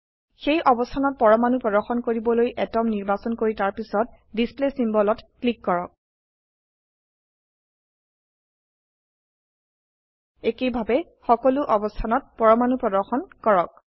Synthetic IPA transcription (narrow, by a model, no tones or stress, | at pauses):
xejʔɔbɔstʰanɔt̚pɔɹɔmanupɹɔdɔɹxɔnkoɹibɔlojʔɛtɔmniɹbasɔnkoɹitaɹpisɔt̚ | displesimbɔlɔtklikːɔɹɔk̚ | ekejbʱabɛ | xɔkɔluʔɔbɔstʰanɔt̚pɔɹɔmanupɹɔdɔɹxɔnkɔɹɔk̚